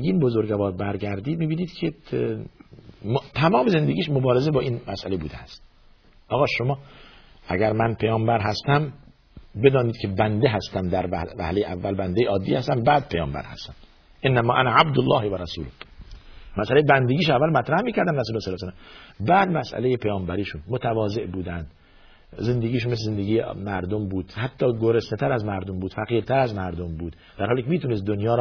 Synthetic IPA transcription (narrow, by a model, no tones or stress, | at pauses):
ɡiːnbozoɾɡævɒːɾbæɾɡæɾd̪iːd̪̚miːbiːniːd̪̥kʰe | t̪ʰæmɒːmeze̞nd̪eɡʲiːʃmobɒːɾezebɒːʔiːnmæsʔæ̰le̞buːd̪eæst̪̚ | ʔɒːɣɒːʃomɒː | ʔæ̰ɡæɾmænpʰejɒːmbæɾɦæst̪æm | bed̪ɒːniːd̪̚kʰebænd̪eɦæst̪æmd̪æɾævæ̰hlejeʔævːælbænd̪ejeɒːd̪ːiːhæst̪æmbæːd̪̚pʰejɒ̰ːmbæ̰ɾhæ̰st̪æm | ʔenːæmɒːʔænæʕabd̪olːɒːhvæɾæsṵːlo | mæsʔælejebænd̪eɡiːʃævːælmæt̪ɾæhmiːcæɾd̪æmɾæsulesælːsælːæmbæːd̪mæsʔæ̰lejepʰejɒːmbæɾiːʃunmot̪ʰævɒːze̞ʔbuːd̪ænd̪̥ | ze̞nd̪eɡiːʃunmeslezend̪eɡʲiːjemæɾd̪ombuːd̪̥hæt̪ʰːɒːɡoɾesnet̪ʰæɾæzmæɾd̪ombuːd̪fæɣiːɾt̪ʰæɾæzmæɾd̪ombuːd̪̥ | d̪æɾhɑːliːkʰemiːt̪ʰuːnest̪̚d̪onjɒːɾ